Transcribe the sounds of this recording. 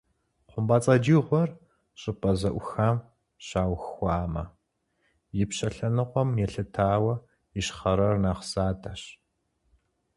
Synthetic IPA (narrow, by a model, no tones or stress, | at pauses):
qʷʊmbaːt͡sʼɐd͡ʒiːʁʷɔr | ɕʼɪpʼɐzɐʔʷʊxam | ɕaːwxxʷɑːmɐ̰ | jɪpɕɐɬɐnɨqʷɔmjɛɬɨtʰaːwɐ | jɪʃχɐɾɐrnɐχsaːtʰɐɕ